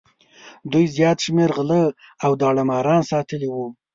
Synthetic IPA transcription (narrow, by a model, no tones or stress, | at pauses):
d̪ujzjɑt̪ʃmeɾɣələawd̪ɑɽamɑɾɑnsɑt̪əliwu